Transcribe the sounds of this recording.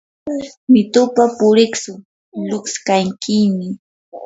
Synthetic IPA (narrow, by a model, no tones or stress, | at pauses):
mɪt̪ʊpapʊɾɪksʊ | lʊkskaŋkɪmɪ